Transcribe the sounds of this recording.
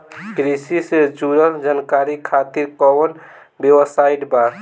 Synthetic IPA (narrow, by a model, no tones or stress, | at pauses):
kɾisised͡ʒuɾəld͡ʒankaɾikʰat̪iɾkɔwən | bjewəsaiʈbaɾ